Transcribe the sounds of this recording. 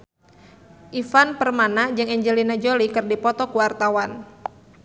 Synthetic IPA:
ʔifanpərmanad͡ʒɨŋɛɲd͡ʒəlinad͡ʒolikɨrdipɔt̪ɔkuwart̪awan

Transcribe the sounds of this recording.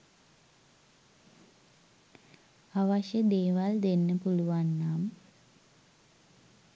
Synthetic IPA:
aʋaʃjəd̪eːʋald̪enːəpuluʋanːaːmə

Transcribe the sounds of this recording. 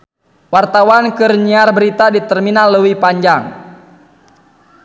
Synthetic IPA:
wart̪awankɨrɲiarbəɾit̪adit̪ɛrminalːəwipaɲd͡ʒaŋ

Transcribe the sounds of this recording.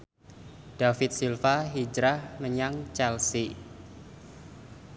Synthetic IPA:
ɖ̥afɪt̪̚silfaɦid͡ʒɾahməɲaŋt͡ʃɛlsi

